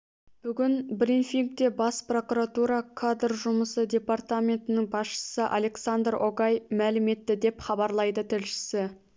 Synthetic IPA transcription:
b̥ʏɡʲɪnbrinfijŋk̚t̪e̞bɑspro̞kuɾat̪uɾɑkʰad̪rʒʊməsəd̪ʲe̞part̪amʲe̞nt̪ɪnɪŋbɑsʃə̥səʔa̰le̞ksand̪roɡɑjmælɪme̞t̪ːɪd̪e̞pχɑbɑɾlˠɑjd̪ət̪ʰɪlʃɪ̥sɪ

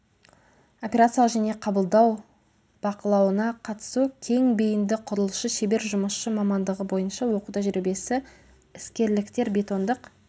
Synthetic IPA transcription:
o̞pʲe̞ɾat̪sijˠʒæne̞qʰɑbəlˠd̪ɑw | b̥ɑqəlˠɑwənɑqʰɑt̪ə̥sukʲʰe̞ŋbejɪnd̪ɪqʰʊɾəlˠəʃəʃebe̞ɾʒʊməsʃəmɑmɑnd̪əʁəbo̞jənʃɑwo̞qud̪ɑʒʏɾebe̞sɪ | ɪskʲe̞ɾlɪkt̪e̞ɾbʲe̞t̪o̞nd̪əq

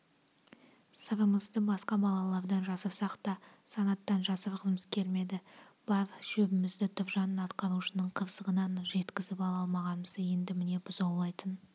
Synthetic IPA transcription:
səɾəməzd̪əbɑsqɑbɑlˠɑlˠɑɾd̪ɑnʒɑsəpsɑqt̪ɑ | sɑnɑt̪ːɑnʒɑsəpqʰəməskʲʰe̞ɾme̞d̪ɪb̥avʃɵbɪmɪzd̪ɪt̪ʰʊvʒɑnənɑt̪qɑɾuʃənəɴqʰəvsəʁənɑnʒe̞t̪kʲɪzɪpɑlˠɑlˠmɑʁɑnməzje̞nd̪ɪmɪne̞bʊzɑwlˠɑjt̪ən

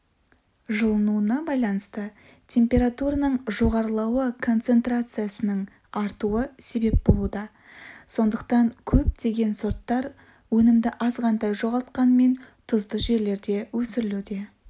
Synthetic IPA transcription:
ʒəlˠənuənɑbɑjlˠɑnəst̪ə | t̪ʲʰe̞mpʲe̞ɾat̪uɾanəɴʒo̞ʁɑɾəlˠɑwəkʰo̞nt̪se̞nt̪ɾat̪sɨjasənəɴ | ɑɾt̪uəse̞be̞p̚bo̞lˠud̪ɑ | so̞nd̪əq̚t̪ɑŋkʲʰɵp̚d̪e̞ɡʲe̞nsoɾt̪ːɑɾ | wɵnɪmd̪ɪʔɑzʁɑnd̪ɑjʒo̞ʁɑlˠt̪̚qɑnme̞nt̪ʰʊzd̪əʒe̞ɾle̞ɾd̪e̞wɵsɪɾɪlud̪e̞

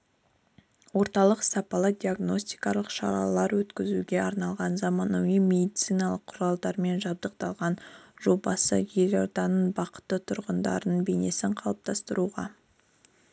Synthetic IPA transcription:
wo̞ɾt̪ɑlˠəqsɑpɑlˠəd̪ʲiaɡno̞sʲt̪ijkɑlˠəqʃɑ̰ɾɑ̰lˠɑɾwɵt̪kʲɪzuɡʲe̞ɑɾnɑlˠʁɑnzɑmɑnɑwimʲe̞d̪iit̪sijnɑlˠəqʰːʊɾɑlˠd̪ɑɾme̞nʒɑb̚d̪əq̚t̪ɑlˠʁɑnʒ̥o̞bɑsə̰je̞lat̪ɑnəɴbɑqə̥t̪ːət̪ʰʊɾʁənd̪ɑ̰ɾnnbe̞ne̞sɪɴqʰɑlˠəp̚t̪ʰɑst̪əɾuʁɑ̰

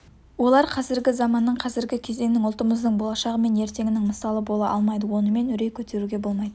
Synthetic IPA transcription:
wo̞lˠɑɾqʰɑzɪɾɡʲɪzɑmɑnːəɴqʰɑzɪɾɡʲɪkʲʰe̞ze̞ŋnɪŋʊlˠt̪əməzd̪əɴbo̞lˠɑʃɑʁəme̞ne̞ɾt̪e̞ŋʲɪnɪŋməsɑlˠəbo̞lˠɑʔɑ̰lˠmɑjd̪əwo̞nəme̞nʏɾe̞jkʲʰɵt̪ʰe̞ɾuɡʲe̞bo̞lˠmɑjd̪ə

